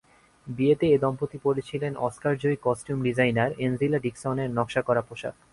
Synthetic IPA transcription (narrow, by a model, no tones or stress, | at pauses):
biet̪eed̪ɔmpot̪ipoɾet͡ɕʰilenɔ̰skaɾd͡ʑojkɔsʈjumɖid͡ʑajnaɾenzilaɖiksɔneɾnɔkʃakɔɾapoʃa̰